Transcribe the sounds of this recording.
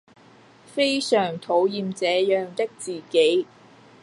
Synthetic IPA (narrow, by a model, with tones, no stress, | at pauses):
fe˥jsœː˨˩ŋt̪ʰo˨˧˥wjiː˨˧mt͡sɛː˨˧jœː˨ŋt̪ɪ˥k̚t͡siː˨ke˨˥j